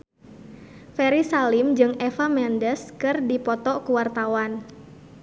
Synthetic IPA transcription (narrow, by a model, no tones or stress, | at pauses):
fɛɾisalɪmd͡ʒɨŋɛfamɛndəskɨrdipɔt̪ɔkuwart̪awan